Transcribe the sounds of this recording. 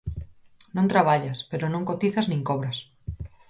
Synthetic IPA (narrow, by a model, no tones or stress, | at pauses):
nõnt̪ɾaβ̞aʎaspeɾonõŋkot̪iθaznĩŋkoβɾas